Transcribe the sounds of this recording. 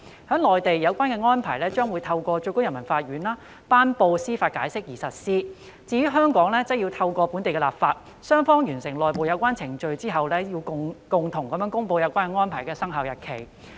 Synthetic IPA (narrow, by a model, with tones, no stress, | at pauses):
hœː˨˥ŋlɔː˨jt̪e˨jːɐ˨˧wkʷaː˥nkɛː˧ŋɔː˥npʰa̰ː˨˩jlɛː˥t͡ʃœː˥ŋwu˨˧jt̪ʰɐ˧wkʷɔː˧t͡ʃɵ˧ko˥wjɐ˨˩nmɐ˨˩nfaː˧t̚ɥyː˨˥nlaː˥ | paː˥npo˧wsiː˥faː˧t̚kaː˨˥jsɪ˥k̚jiː˨˩sɐ˨t̚siː˥ | t͡siː˧˩y˨˥ɦœː˥ŋkɔː˨˥ŋlɛː˥t͡sɐ˥ji˧wt̪ʰɐ˧wkʷɔː˧puː˨˥nt̪e˨jkɛ˧laː˨˩p̚faː˧t̚ | sœː˥ŋfɔː˥ŋjyː˨˩nsɪ˨˩ŋlɔː˨jpo˨wjɐ˨˧wkʷaː˥nt͡sʰɪ˨˩ŋt͡ʃɵ˧ɥt͡siː˥ɦɐ˨wlɛː˥ji˧wkʊ˨ŋt̪ʰʊ˨˩ŋkɐ˨mjœː˨˥ŋkʊ˥ŋpo˧wjɐ˨˧wkʷaː˥nkɛ˧ŋɔː˥npʰaː˨˩jkɛː˧sɐ˥ŋɦɐ˨˧wjɐ˨t̚kʰe˨˩j